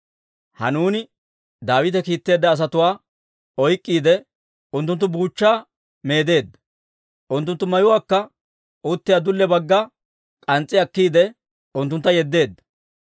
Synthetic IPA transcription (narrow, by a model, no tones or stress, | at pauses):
hɐ̰nuːnɪ | d̪aːwɪt̪ɛkiːt̪ːe̞ːd̪ːɐːs̬ɐt̪ʊwaː | ɔjkʼːiːd̪ɛ | ʊnt̪ːʊnt̪ːʊbuːt͡ʃːaː | me̞ːd̪e̞ːd̪ːɐ̥ | ʔʊnt̪ːʊnt̪ːʊmɐjʊwaːkːɐ | ʊt̪ːɪjaːd̪ʊlːɛbɐɡːɐ | kʼɐnt͡sʼːɪɐkːiːd̪ɛ | ʊnt̪ːʊnt̪ːɐjɛd̪ːe̞ːd̪ːɐ̥